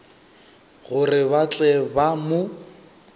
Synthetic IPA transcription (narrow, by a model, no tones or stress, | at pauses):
ɣʊrɪβat͡ɬʼɛbamʊ